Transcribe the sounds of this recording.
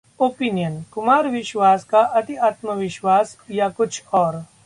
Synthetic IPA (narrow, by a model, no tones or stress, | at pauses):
oːpiːnijənkʊmaːɾʋɪʃwaːskaʔɐt̪iaːt̪məʋɪʃwaːsjakʊt͡ʃʰɔːɾ